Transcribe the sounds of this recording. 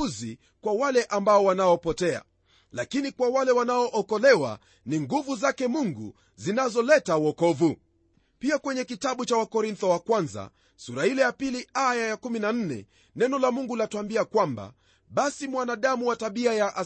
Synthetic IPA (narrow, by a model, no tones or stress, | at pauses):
uzi | kwawalɛʔambaɔwanaɔpɔtɛa̰ | lakinikwawalɛwanaɔʔɔkɔlɛwa̰ | niŋɡuvuzakɛmuŋɡṵ | zinazɔlɛtawɔkɔvu | piakwɛɲɛkitaɓut͡ʃawakɔɾint̪ɔwakwanza̰ | suɾahilɛjapiliajajakuminan̩nɛ̰ | nɛnɔlamuŋɡulatuambiakwamba̰ | ɓasimwanaɗamuwataɓiajaʔa